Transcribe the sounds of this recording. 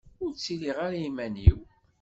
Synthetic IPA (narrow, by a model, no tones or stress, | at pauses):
ʊɾt͡sːiliʁaɾjimæniw